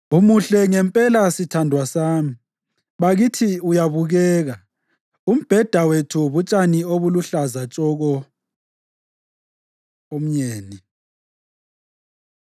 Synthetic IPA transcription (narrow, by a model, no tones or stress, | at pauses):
umuɬɛŋɛmpʼɛlasitʰandʱwasaːmi | βaɣitʰiujaβuɣɛːɣa | um̩b̥ʱɛd̥ʱawetʰuβut͡ʃʼanioβuluɬazat͡ʃʼɔɣɔ | om̩ɲeːni